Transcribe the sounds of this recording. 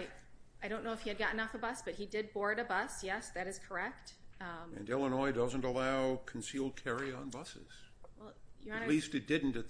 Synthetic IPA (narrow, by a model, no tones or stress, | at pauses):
ɪaɪɾõʊ̃nːoʊɨfhiɨd̚ɡɑʔn̩ɔfəbʌsb̥ʌt̚hidɪd̚bɔɹɾɨbʌsjɛsðɨɾɨz̥kʰə˞ɛk̚t̚ʌ̃mɨ̰̃nɛlˠənɔɪdʌzə̃n̩təlaʊkʰn̩silˠd̚kʰɛɹiə̃nbʌsɨ̰z̥wɛlˠjɨ̃nlistɨt̚d̥ɪdⁿn̩tɨt̪